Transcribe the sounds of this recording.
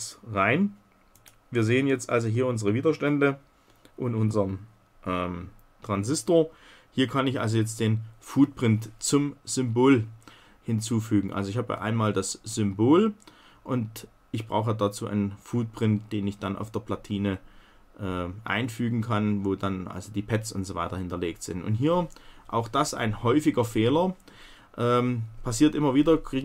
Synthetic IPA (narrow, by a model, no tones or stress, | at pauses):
ʁaɪn | viːɐzeːənjɛt͡stʔa̰lzoɦiːɐʊnzəʁəviːdɐʃtɛndə | ʔʊntʔʊnzɐm | ʔɛːm | tʁ̥anzɪstoːɐ | hiːɐkʰanɪçʔa̰lzojɛt͡std̥eːnfuːt̚pʁ̥ɪntt͡sʊmz̥ʏmboːl | hɪnt͡suːfyːɡŋ̩ʔa̰lzoɪçhaːbə̰ʔa̰ɪnmaːldasz̥ʏmboːl | ʔʊnt | ʔɪçb̥ʁa̰ʊxədat͡suːʔa̰ɪnənfuːt̚pʁ̥ɪntd̥eːnɪçd̥anʔa̰ʊfd̥eːɐpl̥atʰiːnə | ʔɛːʔa̰ɪnfyːɡŋ̩kʰanvoːdanʔa̰lzodiːpʰɛtt͡sʊ̰ntz̥oːva̰ɪtɐhɪntɐleːk̚tz̥ɪ̰ntʊ̰ntɦiːɐʔa̰ʊxd̥asʔa̰ɪnhɔʏfɪɡɐfeːlɐ | ʔɛːmpʰasiːɐtʔɪmɐviːdɐɡiː